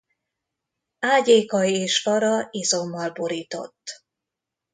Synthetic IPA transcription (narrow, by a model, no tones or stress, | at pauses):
aːɟeːkɒieːʃkɒɾɒizo̞mːɒlboɾiːt̪o̞̰t̪ː